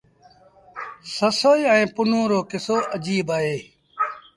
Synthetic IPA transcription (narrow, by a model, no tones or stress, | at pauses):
səsoːiə̃ĩːpʊnõːɾoːkɪsoːʔəd͡ʒiːbaːɦeː